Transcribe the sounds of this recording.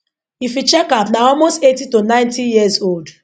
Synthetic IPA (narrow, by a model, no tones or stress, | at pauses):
ifit͡ʃɛkapnaɔlmostetitonãɪ̃ntijiəzold